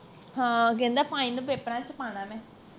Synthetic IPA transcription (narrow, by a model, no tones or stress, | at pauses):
ɦãːɡẽnd̪apʰaːĩnbepɾãːt͡ʃpaːnãːmɛ̃